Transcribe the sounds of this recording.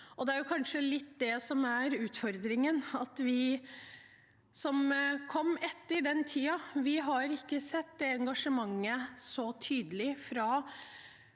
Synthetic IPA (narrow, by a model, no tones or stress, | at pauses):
ʔɔd̪ɛæɾjʊkʰɑnʂəlɪt̪ːd̪ɛsɔmæɾʉːt̪fɔɾd̪ɾɪŋənɑt̪ʋɪ | sɔmkʰɔmːɛt̪ːəɖɛnt̪ʰiːɑʋɪɦɑɾɪkːəsɛt̪ːd̪ɛɛŋɡɑʂəmɑŋːəsɔt̪ʰyːd̪əlɪfɾɑ